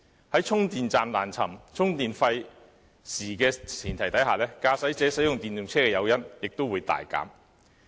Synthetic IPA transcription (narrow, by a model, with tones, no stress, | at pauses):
hɐ˨˥jt͡sʰʊ˥ŋt̪iː˨nt͡saː˨mlaː˨˩nt͡sʰɐ˨˩mt͡sʰʊ˥ŋt̪iː˨nfɐ˧j | siː˨˩kɛː˧t͡sʰiː˨˩nt̪ʰɐ˨˩jt̪ɐ˨˥jɦaː˨lɛː˥kaː˧sɐ˨˥jt͡sɛː˨˥sɐ˨˥jʊ˨ŋt̪iː˨njʊ˨ŋt͡sʰɛː˥kɛː˧jɐ˨˧wjɐ˥njɪ˨k̚t̪o˥wuː˨˧jt̪a̰ː˨jka̰ː˨˥m